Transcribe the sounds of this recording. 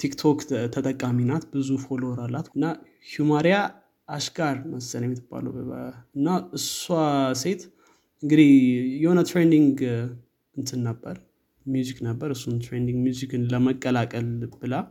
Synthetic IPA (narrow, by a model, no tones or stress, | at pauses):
t̪ʰikt̪ʰokt̪ʰət̪ʼəkʼːaminat̪bɨzufo̞loɾalːat̪ɨnːa | humaɾja | aʃɡaɾməst͡ʃənjɛmːɪt̪ʰːɨb̥ːa̰ləwəɨnːaɨsuase̞t̪ | ɨŋɡɨd̪ihjɛho̞nət̪ɾend̪iŋɡ | ɨnt̪ʰɨnːəbːəɾ | mjuzikʼnəbːəɾɨsːunt̪ɾend̪iŋɡmjuzikɨnləməkʼːəlakʼəlb̥ɨla